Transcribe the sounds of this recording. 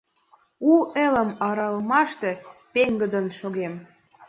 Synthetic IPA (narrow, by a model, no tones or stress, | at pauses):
uelə̆mɑɾɑlmɑʃt̪epeŋɡəd̪ənʃoɣem